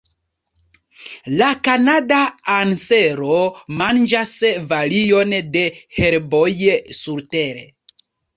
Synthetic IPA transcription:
lakanadaanse̞ɾomand͡ʒasvalijo̞nde̞he̞ɾbojsuɾteɾḛ

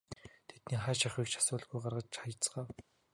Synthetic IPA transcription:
t̪ʰet̪niːχæːʃaχwiːkʃʰḁsʊːɮɣujɢarʁə̆t͡ɕt͡ɕχajə̆t͡sɢaːw

